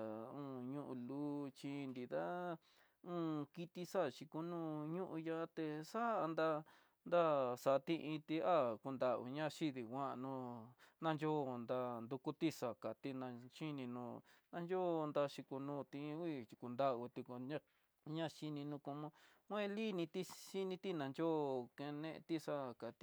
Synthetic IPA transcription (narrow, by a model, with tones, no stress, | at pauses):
ũː˦˧˨ɲũ˦˧ʔu˧luː˦t͡ʃĩ˧nd̪i˧d̪a˦ | ũ˦ki˧t̪i˧sa˦˨ʃi˧ku˧nũ˦ɲũ˦ʔũ˧ja˧˦t̪e˧sa˦˧nd̪a˧ | nd̪a˦sa˨˧t̪ĩ˧ʔĩ˧t̪i˧a˦ku˧nd̪a˧ṵ˧˨ɲã˦˧ʃi˦ði˨kʷã˦˧nũ˧nã˧nd͡ʒo˦˧˨nd̪a˧nd̪u˧ku˦t̪i˦ʂa˨ka˨t̪i˦nã˧t͡ʃi˦nĩ˧nũː˧nã˧nd͡ʒo˦˧nd̪a˧ʃi˧ku˧nũː˦˧t̪ĩ˧i˦˧t͡ʃi˧ku˧nd̪a˦u˧t̪i˧ku˧ɲã˦ | ɲã˦ʃi˧nĩ˧nũ˧ko˧mõ˧ | kʷẽ˦li˦nĩ˧t̪i˦ʃi˦nĩ˧t̪i˦nã˧nd͡ʒo˦kẽ˧nẽ˧ʔt̪i˦ʂa˦˨ka˨t̪i˧